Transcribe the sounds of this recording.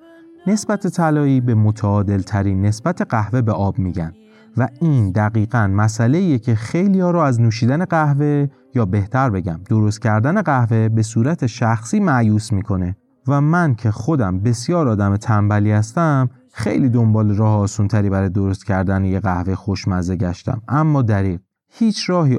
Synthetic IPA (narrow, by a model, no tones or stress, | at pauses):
ne̞sbæt̪ʰet̪ʰælɒːiːbe̞mot̪ʰæɒːd̪e̞lt̪ʰæɾiːnːe̞sb̥æt̪ʰe̞ɢæhve̞be̞ʔɒːbmiɟæm | væiːnd̪æɣiːɣænmæsæle̞iːjecʰexe̞jliːjɒːɾɔæznuːʃ̬iːd̪æne̞ɢæhve̞ | jɒːbe̞ht̪ʰæɾbe̞ɟæmd̪o̞ɾo̞st̪̚cʰæɾd̪æne̞ɣæhve̞be̞suːɾæt̪ʰe̞ʃæxsiːmæʔjuːsmiːkʰo̞ne̞ | væmæncʰe̞xo̞d̪æmbe̞sjɒːɾɒːd̪æmet̪ʰæmbæliːhæst̪æm | xḛjliːd̪o̞mbɒːleɾɒːheɒːsuːnt̪ʰæɾiːbæɾɒːjed̪oɾost̪cʰæɾd̪ænejeɣæhvejxoʃmæzeɟæʃt̪æ̰mʔæmːɒːd̪æɾiːɣ | hiːt͡ʃʰɾɒːhiː